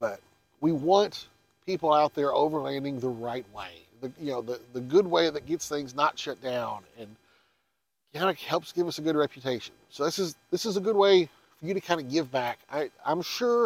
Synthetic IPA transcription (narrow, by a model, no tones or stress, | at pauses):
b̥ʌt̚ | wiwɑ̃nt | pʰipl̩ˠaʊt̪̚ðə˞ʔoʊvə˞læ̃ndɪ̃ŋðəɹaɪt̚wḛɪ | ðɨjɨnoʊðɨðɨɡʊd̚weɪðɨt̚ɡ̥ɛtsθɪ̃ŋznətʃʌt̚d̥ãʊ̃nɨ̃n | kʰãɪ̃ndɨhɛlˠpsɡ̥ɪvʌsɨɡʊd̚ɹɛpjɨtʰeɪʃɨ̃nsoʊðɪsɨzðɪsəzəɡʊd̚weɪ | fə˞jɨɾɨkʰãɪ̃ndɨɡɪvbæka̰ɪã̰ɪ̃mʃʊɹ